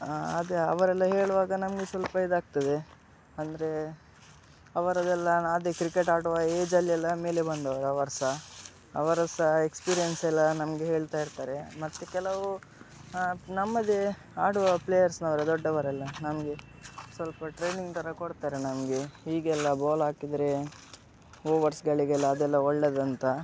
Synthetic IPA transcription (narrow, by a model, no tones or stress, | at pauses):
ɐd̪eɐ̰ʋɐɾɛlːɐɦeːɭuʋaːɡɐnɐmɡesʋɐlpɐid̪aːɡ̚t̪ɐd̪e | ɐnd̪ɐɾe̞ | ɐʋɐɾɐd̪ɛlːɐnaːd̪ekɾikeʈaːɽuʋɐeːd͡ʒɐlːiɛlːɐme̞ːlebɐnd̪ɐʋɐɾɐʋɐɾɐsɐ | ɐ̰ʋɐɾɐsɐekspiːɾijensɛlːɐnɐmɡeɦeːɭt̪aːjiɾt̪aːɾe̞mɐt̪ːekɛlɐʋu | nɐmːɐd̪e | aːɽuʋɐpleːjɐɾsnɐʋɐɾɐd̪ɔɖːɐʋɐɾɛlːɐnɐmɡe | sʋɐlpɐʈɾejniŋɡt̪ɐɾɐkoɽt̪aːɾenɐmɡeɦiːɡɛlːɐboːlaːkid̪ɾe̞ | oːʋɐɾsɡɐɭiɡɛlːɐːd̪ɛlːɐɔɭːed̪ɐnt̪ɐ